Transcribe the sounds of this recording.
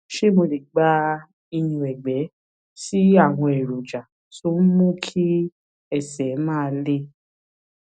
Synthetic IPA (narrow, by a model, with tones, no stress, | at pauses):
ʃe˦˨mo˧le˨ɡ͡ba˨˦ | i˧jũ˧˨ɛ˨ɡ͡bɛ˨˦ | ti˦a˦˨w̃ɔ̃˧ɛ˨ɾo˨d͡ʒa˨ | so˦m̩˦mũ˦kʰi˦ | ɛ˦˨sɛ˨˦mãː˦˧le˦